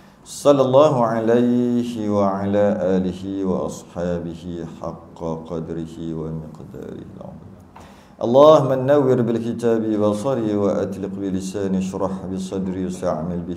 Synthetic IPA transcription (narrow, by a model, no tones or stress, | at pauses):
sˤɑlːɑlˤːɑːhʊʕalajhwaʕalaːʔaːlɪhɪwɑ̰ʔɑ̰sˤħɑːbɪhɪħɑ̰qːqɑd̪ɾɪhɪwamɪqd̪ɑ̰ːɾɪ̰hɪ̰lʕa̰nˤ | ʔɑ̰lˤːɑːhmanːawːɪɾbɪlkɪt̪aːbibɑsˤɑɾiwaʔa̰t̪lɪqbɪlɪsaːnaʃɾˤɑħbɪsˤɑd̪ɾjsaʕmɪlbɪ